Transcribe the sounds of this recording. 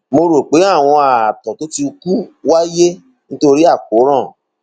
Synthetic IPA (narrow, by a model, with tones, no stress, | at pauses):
mo˧ɾo˨k͡pe˨˦a˦˨w̃ɔ̃˧a˨tɔ̃˨to˨˦ti˧ku˦wa˦je˦ | nĩ˦to˧ɾi˦a˦˨k̚o˨˦ɾ̃ɔ̃˦˨